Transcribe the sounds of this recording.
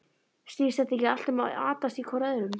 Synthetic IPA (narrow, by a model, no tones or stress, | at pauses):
st̪iːsθɛht̪aɛcɪal̥t̪ʏmaa̰ːt̪ast̪ikʰɔɾaðɾʏm